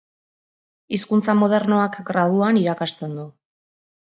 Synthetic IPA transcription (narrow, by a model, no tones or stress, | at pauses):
iskunt͡samo̞ð̞e̞ɾno̞akɡɾaðuaniɾakast̪e̞nd̪u